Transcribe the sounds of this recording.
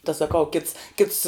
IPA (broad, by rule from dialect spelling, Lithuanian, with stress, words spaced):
tɐ sɐˈkɐʊ kʲɪts kʲɪts